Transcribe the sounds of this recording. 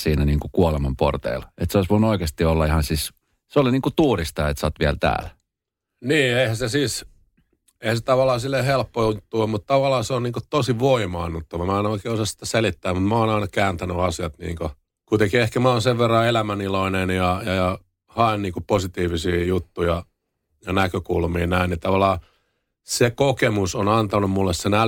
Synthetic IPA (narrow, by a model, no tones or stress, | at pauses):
siːnæniːŋkukuolemɑmpo̰rt̪ḛilet̪seoˑisʋoinuoikeːst̪iolːɑihɑnsis | seoliniːŋkut̪uːrist̪ɑːet̪sɑt̪ʋiælt̪æ̰ːl | niːeihæsesiːs | eihæset̪ɑʋɑlːˑɑːsilːeːhelpːout̪ːuomut̪t̪ɑʋɑlːˑɑːseonniːŋkot̪osiʋoimɑːnːut̪ːoʋɑmæːnoˑikeːosɑssi̥t̪æselit̪ːæːmut̪mæoːnɑinɑkæːnt̪ænyɑsiɑt̪nḭːŋko | kuit̪eŋkiehkæmæoːnseʋʋerːɑelæmæniloinenjɑjɑjɑ | hɑenniːŋkoposit̪iːʋisiːjut̪ːujɑ | jɑnækøkulmiːnæinnit̪ɑʋɑlˑːɑː | sekokemusonɑnt̪ɑnummulːessenæ